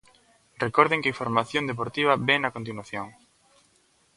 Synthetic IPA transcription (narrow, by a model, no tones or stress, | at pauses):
rekoɾðeŋkeifoɾmaθjond̪ep̬oɾt̪iβ̞ɐbɛnakont̪̬inwaθjoŋ